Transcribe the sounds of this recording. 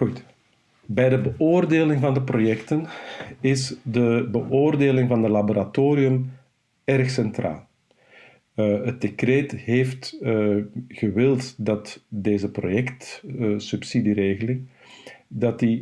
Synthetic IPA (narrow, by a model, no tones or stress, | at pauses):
ut | bɛjdəbəʔoːrdeːlɪŋvɑndəprojɛktənɪzdəbəʔoːrdeːlɪŋvɑndəlaboɾatoːɾiɵm | ɛrxsɛntra̰ːlˠ | ət̚d̥ekreːtɦeːft | ɣəʋɪlˠtdɑtdeːzəprojɛktsypsidireːɣəlɪŋ | dɑti